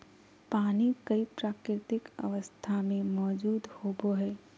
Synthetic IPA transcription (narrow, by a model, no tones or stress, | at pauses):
paːnikɐipɾaːkɾɪt̪ɪkɐ̰ʋəst̪ʰamẽmɔːd͡ʒuːd̪hoːboɦɛː